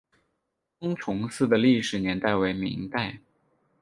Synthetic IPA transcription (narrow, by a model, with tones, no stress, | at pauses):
kʊ˥ŋʈ͡ʂʰʊ˧˥ŋsɹ̩˥˩d̪ə˩li˥˩ʂɻ̩˨˩njɛ˧˥nt̪a˥˩ɪwe˧˥ɪmḭ˧˥ŋt̪a˥˩ɪ